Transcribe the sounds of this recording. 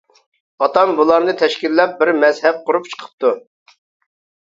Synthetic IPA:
ɑt̪ɑmbulˠɑɾnɨt̪ʰɛʃkʲilːɛp̚bɪɾmɛzhɛp̚qʊɾup̚t͡ʃʰə̥qʰə̥p̚t̪u

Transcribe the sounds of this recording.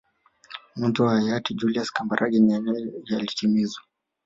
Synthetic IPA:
muntuahajatid͡ʒuliaskambaɾʔaɡɛnanɛalitimizwa

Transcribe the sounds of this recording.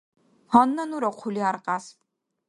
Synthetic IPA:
hɔnːɐnuɾɔqʷʰuliaɾqʼas

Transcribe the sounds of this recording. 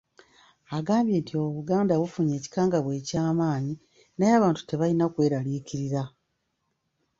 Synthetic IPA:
aɡaːmbje̞ːntio̞βuɡaːndaβufuɲe̞ːci̥kaːŋɡaβwe̞ːcaːmaːɲi | najaːβaːntu̥te̞βaɾinakwe̞ːɾaliciɾiɾa

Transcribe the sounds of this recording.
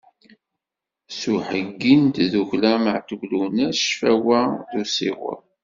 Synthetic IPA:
suħəɡːint̪ðuʝlæməʕt̪uʝlunæʃfæwæðusḭʁʊ̰ɾˤ

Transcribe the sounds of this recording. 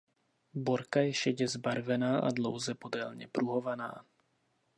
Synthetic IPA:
boɾkajɛʃɛɟɛzbaɾvɛnaːʔa̰dlo̞̰wzɛpo̞dɛlɲɛpɾuɦovana̰ː

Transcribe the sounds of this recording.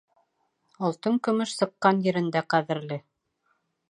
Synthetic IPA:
ŏlˠt̪ɤŋkɵ̆mɵʃsɤ̆qːɑnjɘ̆ɾɘ̆nd̪æqæðɘ̆ɾlɘ

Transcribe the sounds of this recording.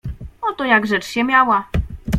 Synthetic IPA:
ɔt̪ɔjaɡʐɛt͡ʂɕɛmʲjawa

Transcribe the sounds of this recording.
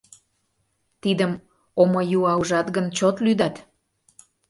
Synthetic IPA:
t̪id̪əm | omojuɑuʒɑt̪ɡənt͡ɕot̪lyd̪ɑt̪

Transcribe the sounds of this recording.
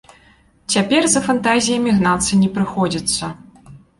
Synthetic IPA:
t͡sʲapʲɛrzɐfant̪azʲijɐmʲiɣnat̪sɨnʲɛpɾɨxɔd͡zʲit̪sːɐ

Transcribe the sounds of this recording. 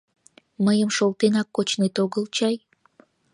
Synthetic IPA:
məjəmʃolt̪enɑkːot͡ɕnet̪oɣəlt͡ɕɑj

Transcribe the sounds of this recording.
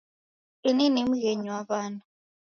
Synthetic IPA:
ininim̩ɣɛɲiwaβanu

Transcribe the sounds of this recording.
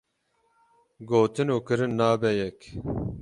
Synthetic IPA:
ɡoːt̪ɨnuːkɨɾɨnːɑːbɛjɛk

